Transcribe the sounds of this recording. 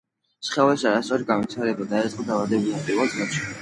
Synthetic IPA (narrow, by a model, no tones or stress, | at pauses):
sχɛvɛsaɾast̪sʼɔɾiɡanvit̪ʰaɾɛbad̪aɛsʼqʼɔd̪avad̪ɛbulat̪ʼivad̪znɔʃi̥